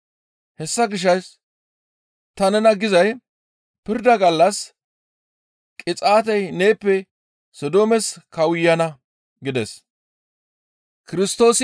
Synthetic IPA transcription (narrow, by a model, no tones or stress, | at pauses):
hɛsːɐɡɪʃ̬ɐjs | t̪ɐnɛnɐɡɪzɐj | pɪɾd̪ɐɡɐlːɐs | kʼɪt͡sʼaːt̪̬ɛjneːpːɛ | sɔd̪oːmɛskɐwʊjːɐnɐ | ɡɪd̪ɛs | kɪɾɪst̪o̞ːs